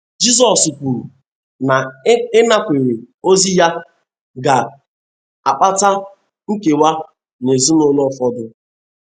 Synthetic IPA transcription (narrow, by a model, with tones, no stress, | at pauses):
d͡ʒi˦zɔ˨su˨kʷu˨ɾu˨ | na˨˦e˦na˦kʷe˨ɾe˨ | o˦zi˦ja˦ | ɡa˨ | a˨k͡pa˦ta˦ | ŋ̩˦ke˨wa˦ | ne˨zu˦no˦lɔ˦fɔ˦dʊ˦